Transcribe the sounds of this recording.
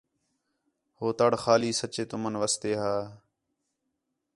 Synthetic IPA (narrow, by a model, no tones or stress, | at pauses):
hoːt̪əɽxaːliːsət͡ʃeːt̪ʊmənʋəːst̪eːɦaː